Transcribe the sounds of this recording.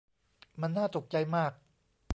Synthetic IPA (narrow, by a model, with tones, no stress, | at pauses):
ma˧nːaː˥˩t̪o˨˩k̚t͡ɕa˧jmaː˥˩k̚